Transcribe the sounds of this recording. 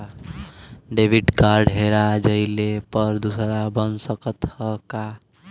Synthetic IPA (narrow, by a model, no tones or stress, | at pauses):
ɖebiʈkaɾɖɦeɾad͡ʒəɪlepəɾd̪usɾabənsəkət̪həka